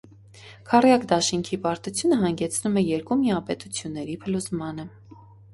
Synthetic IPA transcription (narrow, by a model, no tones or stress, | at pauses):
kʰɑrjɑkd̪ɑʃiŋkʰipɑɾt̪ut͡sʰjunəɦɑŋɡɛt͡sʰnumɛjɛɾkumiɑpɛt̪ut͡sʰjunːɛɾipʰəluzmɑnə